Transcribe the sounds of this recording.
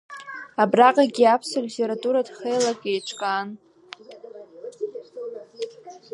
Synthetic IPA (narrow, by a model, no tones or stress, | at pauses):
abraqʼaɡʲiapʰsalʲitʰeɾatʼuɾadχejlakʼejʈ͡ʂʷʰʼkʼan